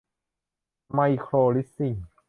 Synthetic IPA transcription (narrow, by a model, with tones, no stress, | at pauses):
ma˧jkʰɾoː˧li˦˥sːi˧˩ŋ